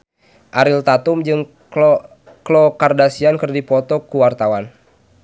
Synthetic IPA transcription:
ʔaɾilt̪at̪umd͡ʒɨŋ | klɔkardasiankərdipɔt̪ɔkuwart̪awan

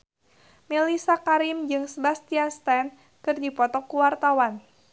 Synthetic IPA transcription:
melisakaɾimd͡ʒɨŋsəbast̪iast̪ɛn | kɨrdipɔt̪ɔkuwart̪awan

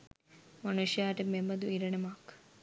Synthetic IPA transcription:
mɐnuʂjaːʈememɐd̪uiɾɐnemaːk

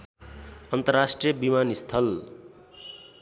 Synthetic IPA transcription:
ʌnt̪ʌrːasʈrijʌbimanist̪ʰʌl

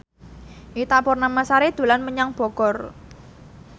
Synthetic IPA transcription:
ʔit̪apʊrnamasaɾed̪̥ṳlanməɲaŋb̥ɔ̤ɡ̥ɔ̤r

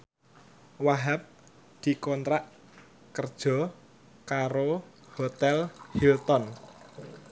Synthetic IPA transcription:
waɦap̚ | d̪̥i̤kɔnt̪ɾaʔ | kərd̥ʒ̥ɔ̤ | kaɾo | hot̪ɛlhilt̪ɔn

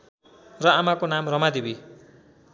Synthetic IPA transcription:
rʌamakonamrʌmad̪ebi

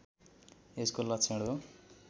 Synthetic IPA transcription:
eskolʌt͡sʰeɽo

